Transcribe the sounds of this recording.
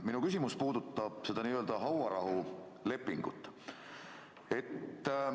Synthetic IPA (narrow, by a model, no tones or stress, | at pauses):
minukysʲimuspuːd̪̥ut̪ːɑb̥se̞d̪ɑniːøld̪ɑɦɑwɑɾɑɦu | le̞pːˑiŋɡ̥ṵt̪ːˑ | e̞t̪ː